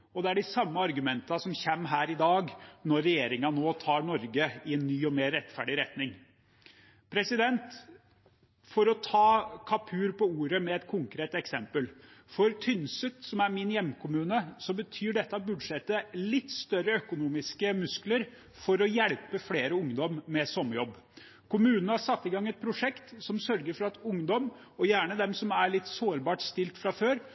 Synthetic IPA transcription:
ɔd̪ɛæɖɪsɑmːəɑɾɡʉmɛnt̪ɑsɔmçɛmːɦæːɾɪd̪ɑːɡnɔɾːɛjeːɾɪŋɑnoːt̪ʰɑːɾɳɔɾɡəɪɛnːyːɔmeːɾːɛt̪ːfæɖɪɾɛt̪nɪŋ | pʰɾɛsɪd̪ɛnt̪ | fɔɾɔt̪ʰɑːkʰɑpʰʉːɾpɔuːɾəmɛɛt̪̚kʰʊŋkɾeːt̪ɛksɛmpəlfɔɾt̪ʰʏnsət̪sɔmæɾmɪnjɛmːkʰʊmʉːnəsɔbət̪ʰyːɖɛt̪ːəɑbʉd̪ʂɛt̪ːəlɪt̪ːst̪œɾəœkʊnuːmɪskəmʉskləɾ | fɔɾɔjɛlpəfleːɾəʊŋd̪ɔmːɛsɔmːəjɔbː | kʰʊmʉːnənəhɑɾsɑt̪ːɪɡɑŋːɛt̪̚pʰɾʊʂɛkt̪sɔmsœɾɡəɾfɔɾɑt̪ʊŋd̪ɔm | ɔjæːɳəd̪ɛmsɔmæɭɪt̪ːsoːɾbɑːʈst̪ɪlt̪fɾɑføːɾ

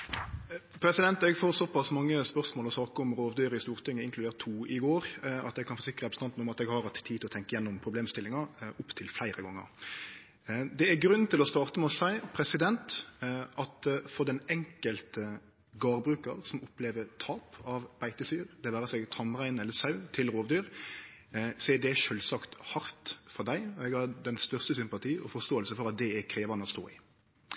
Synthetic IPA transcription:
pʰɾɛsɪd̪ɛnt̪ɛɡfoːɾsɔpɑsmɑŋːəspœʁsmoːlɔsɑːkəʊmɾoːʋd̪øːɾəɪst̪uːɾt̪ʰɪŋːəɪŋklʉd̪eːɾt̪ʰːuːɪɡoːɾʔɑt̪ɛɡ̚kʰɑnfɔɾsɪkɾəɑpɾst̪ɑnnʊmɑt̪ɛɡhɑɾɑt̪t̪ʰːiːt̪ɪlɔt̪ɛŋkəjɛnːʊmpʰɾʊbleːmst̪ɪlɪŋɑʊpt̪ʰɪlflæɪɾəɡɔŋːə̰ɾ | d̪ɛæɡɾʉnːn̩t̪ʰɪlɔst̪ɑːʁt̪əmɛɔsæɪpʰɾɛsɪd̪ɛnt̪ʔɑt̪fɔɾd̪ɛnɛŋkəlt̪ə | ɡɑːɾbɾʉːkəɾsɔmʊpleːʋət̪ʰɑːpɑʋb̥æɪt̪əsyːɾd̪ɛʋæːɾəsɛɡt̪ʰɑmʁæɪnɛlːəsɑʉt̪ʰɪlɾoːʋd̪yːɾ | sɔɛd̪ɛʃølsɑkt̪hɑɾt̪fɔɾd̪æɪɔɛɡhɑɾd̪ɛnst̪œʁst̪əsʏmpɑt̪ʰiːɔfɔɾst̪oːəlsəfɔɾɑt̪̚d̪ɛækʰɾeːʋɑnəɔst̪o̰ːɪ̰ː

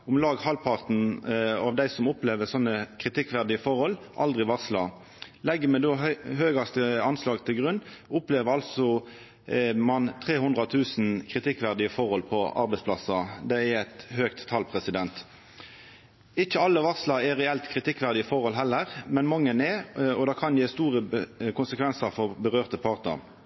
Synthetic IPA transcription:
ʊmlɑːɡhɑlpʰɑʁt̪n̩ɑʋd̪æɪsɔmʊpleːʋəsɔnːəkʰʁɪt̪ɪkːʋæʁd̪ɪəfɔʁhɔlʔɑ̰ld̪ʁɪʋɑʁslɑ | lɛɡːəmɛd̪oːhøːɡɑst̪əɑnslɑːɡt̪ʰɪlɡʁʉnːʊpleːʋəʁɑlsɔ | mɑnt̪ʰʁeːhʉnd̪ʁɑt̪ʰʉːsn̩kʰʁɪt̪ɪkːʋæʁd̪ɪəfɔʁɔlpʰɔɑ̰ɾbɛɪspʰlɑsɑd̪ɛɛæt̪høːkt̪ʰːɑːlpʰʁɛsɪd̪ɛnt̪ | ɪçəɑlːəʋɑʁslɑɛʁɛɛlt̪kʰʁɪt̪ɪkːʋæʁd̪ɪəfɔʁhɔlɦɛlːəʁmɛnmɑŋːənɛɔd̪ɑːkʰɑnjeːst̪uːʁəkʊnsəkʰʋɛnsɑʁfɔʁbəʁøːʁt̪əpʰɑʁt̪ə̰ʁ

